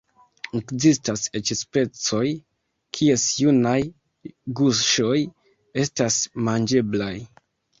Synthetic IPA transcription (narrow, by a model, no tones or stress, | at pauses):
ekzistase̞t͡ʃspe̞t͡so̞j | kʰie̞sjunaj | ɡuʃo̞j | e̞stasmand͡ʒe̞blaj